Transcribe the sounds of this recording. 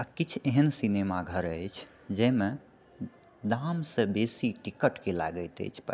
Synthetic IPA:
əkit͡ʃʰeɦənsinemaɡʱəɾəjt͡ʃʰ | d͡ʒəme | d̪amsə̃besiʈikəʈkela̰ɡəjt̪ə̰jt͡ʃʰpə̰

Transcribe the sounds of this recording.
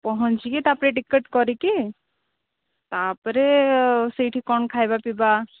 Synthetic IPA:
pɔɦɔ̃ɲt͡ʃiket̪apɾeʈikːəʈkɔɾiki | t̪apɔɾesiʈʰikɔnkʰajbapiba

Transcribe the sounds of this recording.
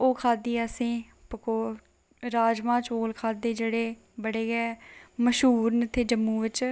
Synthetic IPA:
oːkʰaːd̪iːəsĩː | pəkoː | ɾaːd͡ʒmãːt͡ʃoːlkʰaːd̪eːd͡ʒeːɽeː | bəɽeːɡɛːməʃɦuːɾnət̪ʰeːd͡ʒəmːũːʋɪt͡ʃ

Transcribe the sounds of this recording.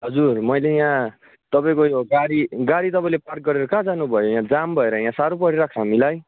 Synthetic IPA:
ɦʌd͡zurmʌjlejã | t̪ʌpaĩkojoɡaɾiɡaɾit̪ʌpaĩlepark̚ɡʌɾeɾʌkãd͡zanubʱʌjojãd͡zambʱʌeɾʌjãsaɾopʌɽiɾakʰɦamilaj

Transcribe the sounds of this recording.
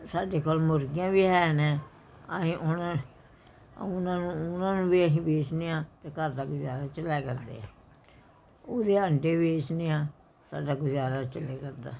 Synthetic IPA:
saːɖeːkoːlmʊɾɡijãːbiːɦɛːnẽː | əɦĩːʔʊna | ʊnãːnũːʊnãːnũːbiːəɦĩːbeːt͡ʃneːãːt̪eːkəɾd̪aːɡʊzaːɾaːt͡ʃəlɛːkəɾd̪ḛːãː | oːd̪eːəɳɖeːbeːt͡ʃneːãː | sa̰ːɖaːɡʊd͡ʒaːɾaːt͡ʃəleːkəɾd̪a̰ː

